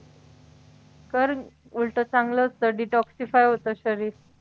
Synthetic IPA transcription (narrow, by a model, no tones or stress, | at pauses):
kəɾ | ulʈət͡sãŋɡlət̪əɖiʈɔksifajɦot̪əɕəɾiːɾ